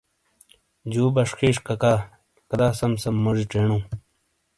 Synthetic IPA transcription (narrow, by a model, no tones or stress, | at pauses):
d͡ʑuːbɐʂxʰiːʂkɐka | kɐd̪aːsɐmsɐmːoʐiʈ͡ʂeːɳũː